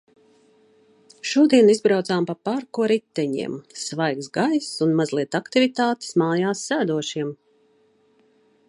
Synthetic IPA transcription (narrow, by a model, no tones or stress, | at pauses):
ʃuɔd̪iɛnizbɾawt̪saːmpapaɾkuɔɾit̪ːɛɲḭɛmsvajksɡajsunmazlˠiɛt̪akt̪ivit̪aːt̪i̥smaːjaːsːæːd̪uɔʃiɛm